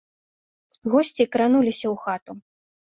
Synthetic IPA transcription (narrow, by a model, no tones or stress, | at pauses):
ɣɔsʲt͡sʲikɾanulʲisʲɐwxat̪u